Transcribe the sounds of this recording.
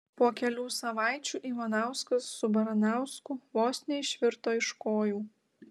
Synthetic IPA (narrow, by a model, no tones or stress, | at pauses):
puɔkʲɛlʲuːsɐʋɑˑɪt͡ʃʲuːʔiːʋɐnɑˑʊskɐsːʊbɐɾɐnɑˑʊskʊʋoːsʲnʲeːʃʲʋʲɪɾt̪oːɪʃkoːjuː